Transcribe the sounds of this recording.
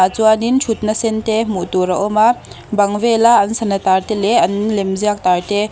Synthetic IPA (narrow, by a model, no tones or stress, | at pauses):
at͡suanint͡ʃʰut̪̚nasɛntemuʔt̪uɾɐʔɔma | bɐŋvelaɐnsɐnɐt̪art̪eleɐnlemziak̚t̪aɾt̪e